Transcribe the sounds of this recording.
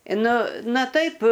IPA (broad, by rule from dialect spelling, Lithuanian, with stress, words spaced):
ˈnʊ ˈnɐ ˈtɐɪp